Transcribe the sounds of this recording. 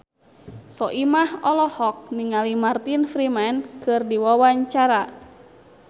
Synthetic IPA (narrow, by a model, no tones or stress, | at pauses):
sɔʔimahɔlɔhɔk̚niŋalimart̪infɾimɛnkɨrdiwawaɲt͡ʃaɾa